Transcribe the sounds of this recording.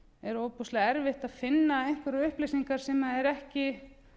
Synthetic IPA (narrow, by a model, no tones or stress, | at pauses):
ɛɾowpustlaɛɾvɪht̪aðfɪnːaejŋ̥kvɛɾʏhplejsiŋkaɾ̥sɛmaðɛɾɛhcɪ